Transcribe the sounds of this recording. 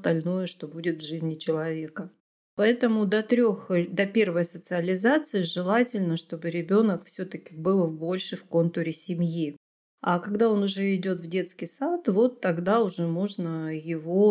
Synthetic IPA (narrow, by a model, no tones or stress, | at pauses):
st̪ɐlʲno̞jəʂt̪o̞budʲɪt̪vʐɨzʲnʲɪt͡ɕɪlˠɐvʲe̞kə | pɐɛt̪əmʊd̪ɐt̪ɾʲoxd̪ɐpʲe̞rvəjsət̪sɨəlʲɪzat̪sɨɪʐɨlˠatʲɪlʲnəʂt̪o̞bɨɾʲɪbʲo̞nəkfsʲot̪əkʲɪbɨlˠvbo̞lʲʂɨfko̞nt̪ʊɾʲɪsʲɪmʲji | akɐɡd̪ao̞nʊʐɛɪdʲo̞t̪vdʲe̞t̪skʲɪjsat̪vo̞t̪ːɐɡd̪aʊʐɛmo̞ʐnəjɪvo̞